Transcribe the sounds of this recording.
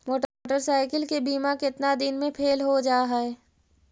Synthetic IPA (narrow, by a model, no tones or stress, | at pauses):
moːʈːʈəɾsaːɪkəlkebiːmakeɪɪt̪nad̪ɪnmẽpʰeːlɦod͡ʒaːɦɛɛ